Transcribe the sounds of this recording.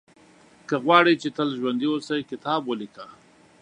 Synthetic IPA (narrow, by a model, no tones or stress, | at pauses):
kəɣwɑɽit͡ʃet̪əlʒwand̪iwosajkɪt̪ɑbwəlika